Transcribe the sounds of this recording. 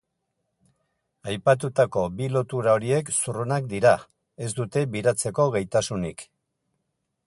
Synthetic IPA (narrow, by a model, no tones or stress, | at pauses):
ajpat̪̬ut̪ako̞bilo̞t̪uɾao̞ɾie̞ksurunak̚d̪iɾa | e̞zd̪ut̪e̞βiɾat͡se̞ko̞ɣajt̪asunik